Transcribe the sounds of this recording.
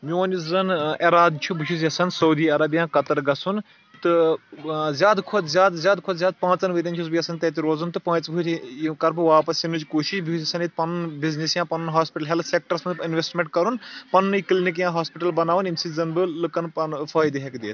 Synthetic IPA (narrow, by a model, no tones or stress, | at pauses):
mʲoːnizɐneɾaːd̪t͡ʃʰubut͡ʃʰus̬jɐsɐnsɐwd̪iːɐɾɐbjãːkɐt̪ɐɾɡɐsʰun | t̪ɨ | zʲjaːd̪kʰoːd̪zʲaːd̪zʲaːd̪kʰoːzʲjaːd̪̚pãːt͡sɐnʋɨd̪ɐnt͡ʃʰusbɨjɐsɐnt̪ɐt̪iɾoːzunt̪ɨpãːt͡sbɨtʰikɐɾbɨʋaːpɐsinut͡ʃʲkuːʃiʃbʱiɐsɐnit̪̚pɐnbiznisjãːpɐnnɦaːspiʈɐlɦelsek̚ʈɐɾsmɐnpinʋesʈmʲeɳʈkɐɾunpɐnːjiklinik̬jãːɦaːspiʈɐlbɐnaːʋɐnimsizɐnbɨlɨkɐnpɐnfʰɐjd̪ɨɦekd̪eːt̪